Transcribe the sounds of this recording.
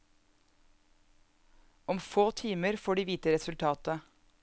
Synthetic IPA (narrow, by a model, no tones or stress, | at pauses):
ɔmfoːt̪ʰiːməɾfoːɖiːʋiːt̪əɾɛsʉlt̪ʰɑːt̪ə